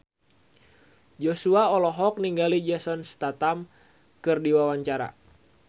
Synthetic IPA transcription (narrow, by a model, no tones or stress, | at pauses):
d͡ʒosuaɔlɔɦɔk̚niŋɡalid͡ʒasɔnst̪at̪am | kɨrdiwawaɲt͡ʃaɾa̰